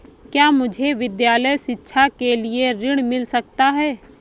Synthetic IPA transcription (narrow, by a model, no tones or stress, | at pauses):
kjaːmʊd͡ʒʱeʋɪd̪jaːləjʃɪtːʃʰakelieɾɪɽ̃mɪlsɐk̚t̪aɦɛː